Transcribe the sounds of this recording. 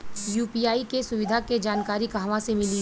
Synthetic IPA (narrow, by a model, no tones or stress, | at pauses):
juːpiːjaːikesʊʋɪd̪ʱaked͡ʒaːnkaːɾikaɦʋãsemɪli